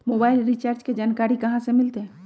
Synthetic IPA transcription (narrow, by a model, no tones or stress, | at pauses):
moːbaːɪlɾit͡ʃaːɾd͡ʒked͡ʒaːnkaːɾikɐɦãsemɪlt̪eɦ